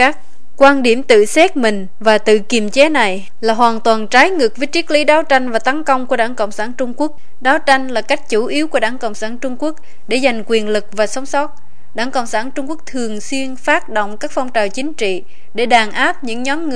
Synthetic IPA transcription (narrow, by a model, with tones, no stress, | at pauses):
kaː˦˥k̚ | kwaː˧nɗi˧˩əmt̪ɨ̰˧˨sɛ˦˥t̚mï˨˩ŋ̟ | vaː˨˩t̪ɨ̰˧˨ki˨˩əmt͡ɕɛ˨˦na˨˩j | laː˨˩ɦwaː˨˩nt̪waː˨˩nt͡ɕaː˨˦jŋɨ˨˩k̚və˨˦jt͡ɕi˦˥ək̚lḭ˨˦ɗaː˨˦wt͡ɕa˧jŋ̟vaː˨˩t̪a˨˦nkə˧wŋ͡mku˧˩əɗaː˧˩ŋkə̰˧˨wŋ͡msaː˧˩nt͡ɕʊ˧ŋ͡mku˦˥ək̚ | ɗaː˨˦wt͡ɕa˧jŋ̟laː˨˩ka˦˥jk̟̚t͡ɕu˧˩ʔi˨˦əwku˧˩əɗaː˧˩ŋkə̰˧˨wŋ͡msaː˧˩nt͡ɕʊ˧ŋ͡mku˦˥ək̚ | ɗe˧˩za˨˩jŋ̟kwi˨˩ənlɨ˨˩k̚vaː˨˩sɔ˨˦wŋ͡msɔ˦˥t̚ | ɗaː˧˩ŋkə̰˧˨wŋ͡msaː˧˩nt͡ɕʊ˧ŋ͡mku˦˥ək̚t̪ʰɨ˨˩əŋswi˧ənfaː˦˥t̚ɗo̰˧˨wŋ͡mkaː˦˥k̚fa˧wŋ͡mt͡ɕaː˨˩wt͡ɕï˨˦ŋ̟t͡ɕḭ˧˨ | ɗe˧˩ɗaː˨˩nʔaː˦˥p̚ɲɨ̰˧˥ŋɲɔ˨˦mŋ˧˩